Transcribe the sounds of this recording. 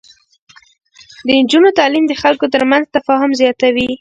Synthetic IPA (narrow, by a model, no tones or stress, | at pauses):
d̪ənd͡ʒunot̪ɑlimd̪əxalkot̪̬əɾmanzt̪afɑɦʊmzjɑt̪awi